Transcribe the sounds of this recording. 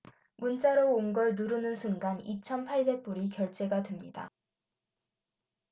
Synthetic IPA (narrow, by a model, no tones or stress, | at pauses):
munt͡ɕ͈aɾoonɡʌɭnuɾɯnɯnsʰunɡanit͡ɕʰʌnpʰaɭbe̞k̚p͈uɾikjʌɭt͡ɕ͈ʰe̞ɡatwemɲida̰